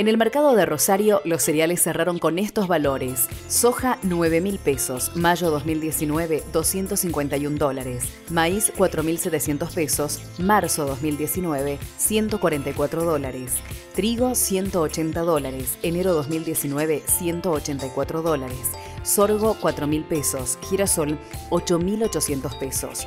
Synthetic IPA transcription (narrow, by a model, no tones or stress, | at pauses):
ene̞lmeɾkað̞o̞ðerosaɾjo̞losːeɾjalesːeraɾo̞ŋko̞nest̪ozβalo̞ɾesːoxanweβ̞e̞milpesosmaʒo̞ðozmild̪jesinweβeðo̞sje̞nt̪osiŋkwe̞nt̪ajund̪o̞laɾes | maiskwat̪ɾo̞milset̪esje̞nt̪ospesos | maɾsoðo̞zmild̪je̞sinweβesje̞nt̪okwaɾent̪ajkwat̪ɾoðo̞laɾes | t̪ɾiɣosje̞nt̪oːt͡ʃe̞nt̪aðo̞laɾeseneɾo̞ðozmild̪je̞sinweβesje̞nt̪oːt͡ʃent̪ajkwat̪ɾoðo̞laɾesː | oɾɣo̞kwat̪ɾomilpesosxiɾasolot͡ʃomilo̞t͡ʃo̞sje̞nt̪ospeso̰s